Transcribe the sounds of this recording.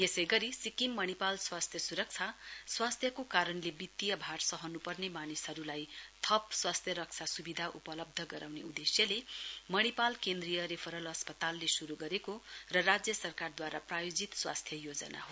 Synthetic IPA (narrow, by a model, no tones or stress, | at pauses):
esʌjɡʌɾisikimːʌñipalswast̪ʰjʌsuɾʌk̚t͡sʰaswast̪ʰjʌkokaɾʌnlebit̪ːijʌbʱarsʌɦʌnupʌrnemanisɦʌɾulajt̪ʰʌpswast̪ʰjʌɾʌk̚t͡sʰasubid̪ʱaʔupʌlʌb̚d̪ʱʌɡʌɾawneud̪esjʌlemʌɽ̃ipalkend̪rijʌɾepʰʌɾʌlʌspʌt̪alːesuɾuɡʌɾekorʌrad͡zjʌsʌrkard̪waɾaprajod͡zit̪swa̰st̪ʰjʌjod͡zʌna̰ɦo